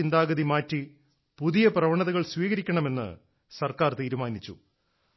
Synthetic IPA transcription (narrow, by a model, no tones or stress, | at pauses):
ind̪aːɡɐðimaːtːi | puðijɐprɐʋɐɳɐðɐɣɐɭsʋiːɣɐɾikʲːɐɳɐme̞nːɨ̰ | sɐrkaːrt̪iːɾumaːnit͡ɕːṵ